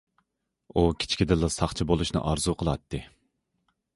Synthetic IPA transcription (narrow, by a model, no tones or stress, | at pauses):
ukʲʰt͡ʃʰkʲid̪ɪlˠːɨsɑχt͡ʃʰibolˠuʃnɨ̰ʔɑɾzuqʰəlˠɑt̪ʰːɨ